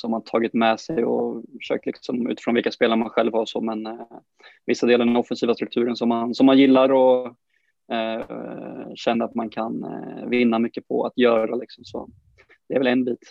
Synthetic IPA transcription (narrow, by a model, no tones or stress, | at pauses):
sɔhmant̪ʰɑːɡɪt̪mɛsɛjɔ̰fœ̥ʂø̰ːk̚t̪lɪksɔmʉ̟̰t̪ɪfɾɔnvɪlkaspeːlaɾmanɧɛlvhaɾɔso̰ːmɛn | vɪsːad̪eːlaɾd̪ɛnɔfːɛnsiːvast̪ɾɵk̚t̪ʰʉ̟ːɾənsɔmːansɔmːanjɪlːaɾɔ | ɛ | ɕɛnːaat̪mankʰanvɪnːamʏkːəpʰɔ̰a̰t̪jœːɾalɪksɔmsɔ̰ | d̪̥ɛæɾvɛlɛnbiːt̪